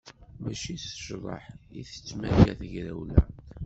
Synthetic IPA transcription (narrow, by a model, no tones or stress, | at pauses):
mæʃiθə̥ʒðˤɑ̰ħiθə̥t͡sːmæjæθəʝɾæwlæ